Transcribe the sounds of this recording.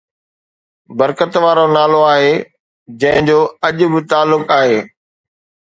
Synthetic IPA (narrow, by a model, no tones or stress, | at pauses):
bɐɾkət̪ʋaːɾonaːloaːɦeː | d͡ʑɐ̃ɦɪ̃d͡ʑoːɐʄʊbɪt̪aːlːʊkaːɦeː